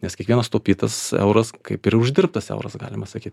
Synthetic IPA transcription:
nʲɛskʲiɛkʋiɛnɐst̪oːpʲiːt̪ɐsɛ̰ʊɾɐskɐɪpɪɾʊʒʲd̪ʲɪɾp̚t̪ɐsɛ̰ʊɾɐsɡɑ̰ːlʲɪmɐsɐkʲiːt̪ʲ

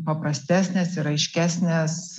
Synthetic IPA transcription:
pɐpɾɐsʲt̪ʲæːsʲnʲeːsɪɾɐɪʃʲkʲæːsʲnʲeːs

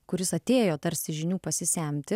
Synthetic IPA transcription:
kʊɾʲɪsɐt̪ʲeːjoːt̪ɐɾʲsʲɪʒʲɪnʲuːpɐsʲɪsʲæˑmʲt̪ʲɪ

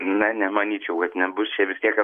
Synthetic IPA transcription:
nʲɛnʲɛmɐnʲiːt͡ʃʲɛʊkɐt̪nʲɛbʊst͡ʃʲɛʋʲɪsʲt̪ʲiɛkɐ

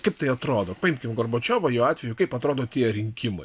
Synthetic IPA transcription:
kɐɪpt̪ɐɪɐt̪ɾoːd̪oːpɐɪmʲkʲɪmɡorboːt͡ʃʲoːʋɐjuːɑːt̪ʲʋʲɛjʊkɐɪpɐt̪ɾoːd̪oːt̪ʲiɛɾʲɪŋʲkʲɪmɐ̰ɪ

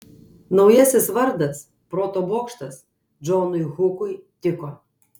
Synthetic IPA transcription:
nɐʊjɛsʲɪsʋɐɾd̪ɐs | pɾoːt̪oboːkʃt̪ɐs | d͡ʒɔnʊjxʊkʊjt̪ʲɪkoː

